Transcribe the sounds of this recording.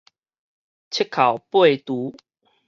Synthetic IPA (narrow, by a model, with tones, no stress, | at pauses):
t͡ɕʰi˦˥kʰːa˨˩wpwe˥˨˩jt̪u˨˦